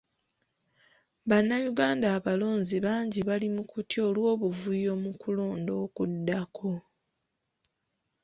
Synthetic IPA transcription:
βanːajuɡaːndaːβalo̞ːɲziβaːɲɟiβalimukutio̞ːlwo̞ːβuvujo̞mukulo̞ːndo̞ːkudːakʰo̞

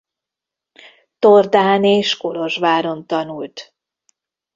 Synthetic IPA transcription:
t̪ord̪aːneːʃkolo̞ʒʋaːɾo̞nt̪ɒnult̪

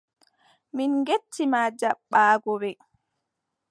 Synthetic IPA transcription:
minɡetʰːimad͡ʒaɓːaːɡɔbɛ

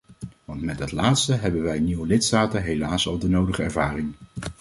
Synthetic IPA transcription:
ʋɑntmɛddɑtlaːtstəɦɛbənʋɛjniʋəlɪtstaːtəɦejlaːsɑlˠdənowdəχəɛ̰ɹvaːrɪŋ

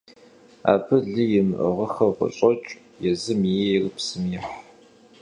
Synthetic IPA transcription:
a̰ːbɨɮɨjɪmɨʔə̰ʁəxɐʁʷʊ̰ɕʼɔt͡ʃʼ | jɛzɨmjɛjrpsɨmjɛħ

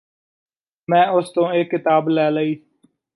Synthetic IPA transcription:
mɛ̃ːʊst̪õːeːkːɪt̪aːblɛːləiː

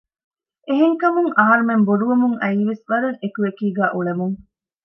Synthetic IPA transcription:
ʔeɦeŋkɐmuŋʔɐɦɐɾumemboɖuʋɐmuŋɐiʋesʋɐɾeŋekuʋekiːɡæːʔuɭemuŋ

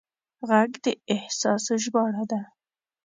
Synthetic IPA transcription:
ɣaɡd̪əɪhsɑsəʒbɑɽad̪a

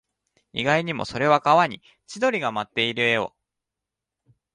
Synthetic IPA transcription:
iɡaiɲ̟imo̞̰so̞ɾe̞βakaβaɲ̟i | t͡ɕid̪o̞ɾʲiɡamat̪ːe̞iɾɯ̟e̞o̞̰

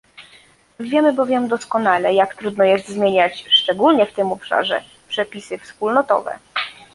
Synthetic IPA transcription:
vʲjɛmɘbɔvʲjɛmd̪ɔskɔnalɛjakt̪ɾud̪nɔjɛst̪zmʲjeɲat͡ɕʂt͡ʂɛɡulɲɛft̪ɘmɔpʂa̰ʐɛ̰ | pʂɛpʲisɘfspulnɔt̪ɔ̰vɛ̰

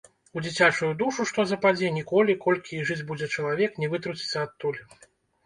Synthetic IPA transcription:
ud͡zʲit͡sʲat͡ʂujud̪uʂuʂt̪ɔzɐpad͡zʲɛnʲikɔlʲikɔlʲkʲiʐɨd͡zʲbud͡zʲɛt͡ʂɐlˠavʲɛknʲɛvɨt̪ɾut͡sʲi̥t̪sːɐat̪ːulʲi

